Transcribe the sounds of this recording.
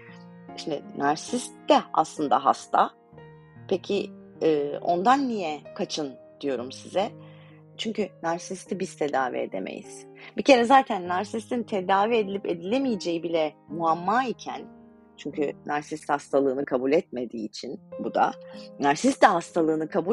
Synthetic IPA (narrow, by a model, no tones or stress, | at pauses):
ʃimd̪ɪ̰naɾsist̪d̪ɛa̰slˠɯnd̪aɦa̰st̪ʰa | pʰecʰi | ɯːo̞nd̪anːijɛkʰat͡ʃʰɯnd̪̥ijo̞ɾumsizɛ | t͡ʃʰyɲcynaɾsist̪ʰibizt̪ʰe̞d̪aːvḭḛd̪e̞̰mḛjḭz̥ | bice̞ɾɛzaːt̪ʰænːaɾsist̪ʰint̪ʰe̞d̪aːvied̪ilʲipe̞d̪ilʲemijid͡ʒe̞jibilʲɛmuamːaːicʰæn | t͡ʃʰyɲcʰynaɾsist̪hast̪ʰalˠɯːnɯkʰabulʲɛt̪̚me̞d̪ḭːt͡ʃʰinbud̪a̰naɾsist̪d̪ɛɦast̪ʰalˠɯːnɯkʰabu